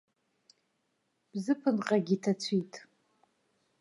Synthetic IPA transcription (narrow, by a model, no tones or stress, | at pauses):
b̥zɨpʰɨnqʼaɡʲitʰat͡sʷʰitʼ